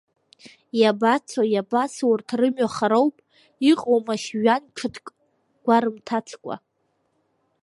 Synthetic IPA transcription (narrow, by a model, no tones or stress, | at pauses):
jabat͡sʰojabaswurtʰrɨmɥaχaɾowpʼ | iqʼowmaʃɥant͡ʃʰɨtʰkʼ | ɡ̥ʷaɾɨmtʰat͡sʰkʷʼa̰